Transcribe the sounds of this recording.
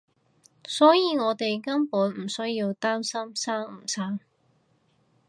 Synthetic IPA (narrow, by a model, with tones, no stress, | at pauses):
sɔː˨˥jiː˨ŋɔː˨˧t̪e˨jkɐ˥mpuː˨˥nm̩˨˩sɵ˥ɥjiː˧wt̪aː˥msɐ˥msaː˥ŋ̩˨˩saː˥ŋ